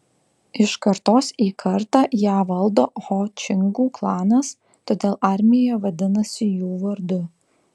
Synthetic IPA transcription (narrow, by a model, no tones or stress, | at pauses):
ɪʃkɐɾt̪oːsiːkʰɐɾt̪ɑːjæːʋɐlˠd̪oːhoːt͡ʃʲɪŋɡuːklˠɑːnɐs | t̪oːd̪ʲeːlˠʔɐɾʲmʲɪjoːjɛʋɐd̪ʲɪnɐsʲɪjuːʋɐɾd̪ʊ